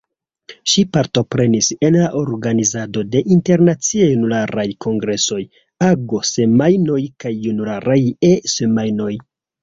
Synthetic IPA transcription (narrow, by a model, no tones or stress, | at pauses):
ʃipaɾto̞pɾe̞nise̞nlaʔo̞ɾɡanizado̞de̞ʔinte̞ɾnat͡siejunulaɾajko̞ŋɡɾe̞so̞j | aɡo̞se̞majno̞jkajːunulaɾajese̞majno̞j